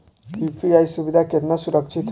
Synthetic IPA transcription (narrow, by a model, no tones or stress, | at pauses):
jupiajsubid̪ʱakeɾnʌsuɾʌk̚t͡ʃʰit̪